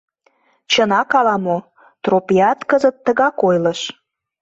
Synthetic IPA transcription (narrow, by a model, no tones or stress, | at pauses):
t͡ɕənɑkɑlɑmo | t̪ropiɑt̪kəzət̪ːəɣɑkojlə̆ʃ